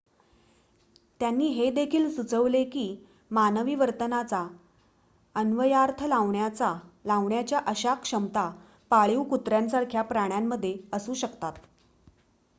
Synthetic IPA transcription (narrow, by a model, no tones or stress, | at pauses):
t̪janːiːɦed̪ekʰiːlsut͡səʋlekiː | manəʋiːʋəɾt̪ənat͡sa | ənʋəjaɾt̪ʰəlaʋɳjat͡salaʋɳjat͡ɕjaʔəɕakʂəmt̪a | paɭiwkut̪ɾjansaɾkʰjapɾaɽ̃jamːəd̪ʱːjeəsuːɕəkt̪at̪